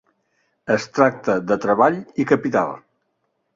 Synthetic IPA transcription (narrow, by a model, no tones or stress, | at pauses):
əst̪ɾak̚t̪əðət̪ɾəβaʎikəpit̪a̰lˠ